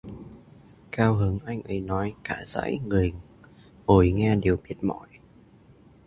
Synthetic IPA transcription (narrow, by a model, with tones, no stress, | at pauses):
kaː˧wɦɨ˨˦ŋʔa˧jŋ̟ʔə˨˦jnɔ˨˦jkaː˧˩za̰ː˧˥jŋi˨˩ə˩jŋ | ʔo˧˩jŋɛ˧ɗe˨˩əwɓi˨˩˥ət̚mɔ̰˧˩j